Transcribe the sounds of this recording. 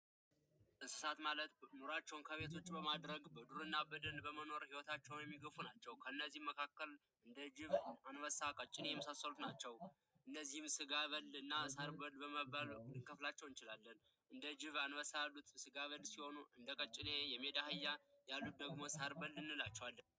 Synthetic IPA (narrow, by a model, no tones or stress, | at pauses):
ʔɨsɨ̥sat̪malət̪noɾat͡ʃːɛwnkʰəβe̞t̪ʰo̞t͡ʃːbəmad̪ɾəɡbəd̪uɾɨnːabɨd̪ənbəməno̞ɾhiwɔt̪ʰat͡ʃːɛwnjɛmːiɡəfunat͡ʃːɛwkʰəɨnːəzːihmːəkʰakːəl | ɨnd̪əd͡ʒɪβanwəsakʼət͡ʃʼːɪnejɛmːəsasːəlut̪nat͡ʃːɛw | ʔɨnːəzːihɨmsɨɡaβəlɨnːasaɾbəlbəməβalɨŋkʰəflat͡ʃːɛwɨnt͡ʃɪlalːən | ʔɨnd̪əd͡ʒɪβanwəsajalːut̪sɨɡaβəlsiho̞nuʔɨnd̪əkʼət͡ʃʼːɪnejɛmːe̞d̪ahɨjːajalːut̪̚d̪əɡmo̞saɾbəlːɨnːɨlat͡ʃːɛwalː